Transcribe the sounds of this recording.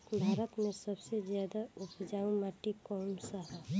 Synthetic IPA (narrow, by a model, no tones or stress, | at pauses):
bʱaːɾət̪mẽsəbsezjaːd̪aʊpʰd͡ʒaːũmaːʈikɔːmsəɦa